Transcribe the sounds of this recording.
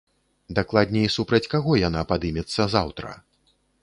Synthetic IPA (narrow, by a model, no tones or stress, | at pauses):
d̪aklˠad̪̚ʲnʲɛisupɾɐt͡sʲkaɣɔjanapad̪ɨmʲɛt̪sːɐzawt̪ɾɐ̰